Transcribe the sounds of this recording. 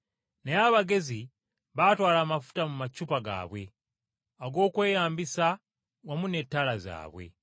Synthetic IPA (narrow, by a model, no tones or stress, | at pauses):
nejaβaɡe̞zi | βatwaːlaːmafu̥tamumacːupaɡa̰ːβwe̞̰ | aɡo̞ːkwe̞ːjaːmbisa | wamune̞tːaːlaza̰ːβwḛ